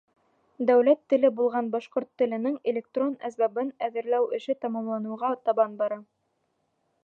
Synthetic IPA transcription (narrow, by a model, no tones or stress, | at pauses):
d̪æwlæt̪ːɘ̆lɘbulˠʁɑnbɑʃqoɾt̪ːɘ̆lɘ̆nɘŋelʲek̚t̪ronæsbæbɘnæðɘ̆ɾlæwɘ̆ʃɘt̪ɑmɑmlˠɑnɤ̆wʁɑt̪ɑβɑnbɑɾɑ